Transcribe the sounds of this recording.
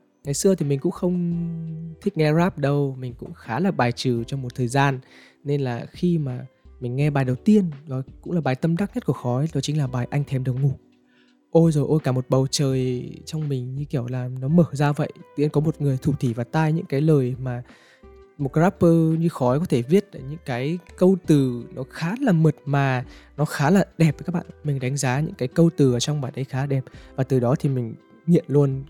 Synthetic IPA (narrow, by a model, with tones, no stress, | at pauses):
ŋa˨˩jsɨ˧ət̪ʰi˨˩mï˨˩ŋ̟kʊ̰˧˥ŋ͡mxə˧wŋ͡m | t̪ʰï˦˥k̟̚ŋɛ˧zaː˦˥p̚ɗə˧wmï˨˩ŋ̟kʊ̰˧˥ŋ͡mxaː˨˦laː˨˩ɓaː˨˩jt͡ɕɨ˧˩t͡ɕɔ˧wŋ͡mmo˨˩t̚t̪ʰəː˨˩jzaː˧n | ne˧nlaː˨˩xi˧maː˨˩mï˨˩ŋ̟ŋɛ˧ɓaː˨˩jɗə˨˩wt̪i˧ənnɔ˨˦jkʊ̰˧˥ŋ͡mlaː˨˩ɓaː˨˩jt̪ə˧mɗa˦˥k̚ɲə˦˥t̚ku˧˩əxɔ˨˦jɗɔ˨˦t͡ɕï˨˦ŋ̟laː˨˩ɓaː˨˩jʔa˧jŋ̟t̪ʰɛ˨˩mɗə˨˩wŋu˨˧˩ | ʔo˧jzo˨˩jʔo˧jkaː˧˩mo˨˩t̚ɓə˨˩wt͡ɕəː˨˩jt͡ɕɔ˧wŋ͡mmï˨˩ŋ̟ɲɨ˧ki˧˩əwlaː˨˩nɔ˨˦məː˧˩zaː˧və̰˧˨jt̪ḭ˧˥ənkɔ˨˦mo˨˩t̚ŋɨ˨˩əjt̪ʰu˧˩t̪ʰi˧˩vaː˨˩t̪aː˧jɲɨ̰˧˥ŋkaː˨˦jləː˨˩jmaː˨˩ | mo˨˩t̚kzaː˦˥pːəː˧ɲɨ˧xɔ˨˦jkɔ˨˦t̪ʰe˧˩vi˦˥ət̚ʔə˧˨˩ɲɨ̰˧˥ŋkaː˨˦jkə˧wt̪ɨ˨˩nɔ˨˦xaː˨˦laː˨˩mə˨˩t̚maː˨˩nɔ˨˦xaː˨˦laː˨˩ɗɛ˨˩p̚kaː˦˥k̚ɓa̰ː˧˨nmï˨˩ŋ̟ɗa˨˦jŋ̟zaː˨˦ɲɨ̰˧˥ŋkaː˨˦jkə˧wt̪ɨ˨˩ʔəː˧˩t͡ɕɔ˧wŋ͡mɓaː˨˩jɗə˧jxaː˨˦ɗɛ˨˩p̚vaː˨˩t̪ɨ˨˩ɗɔ˨˦t̪ʰi˨˩mï˨˩ŋ̟ | ŋḭ˧˨ənlu˧ən